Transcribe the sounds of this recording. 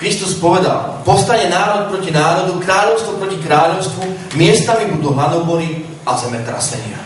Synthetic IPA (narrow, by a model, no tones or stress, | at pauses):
kɾist̪uspɔʋɛd̪a̰l | pɔst̪aɲɛnaːɾɔt̪̚pɾɔcinaːɾɔd̪ukɾaːʎɔʊst̪ʋɔpɾɔcikɾaːʎɔʊst̪ʋu | mɪɛst̪amibud̪uːɦad̪ɔbɔli | azɛmɛt̪ɾa̰sɛ̰ɲɪa̰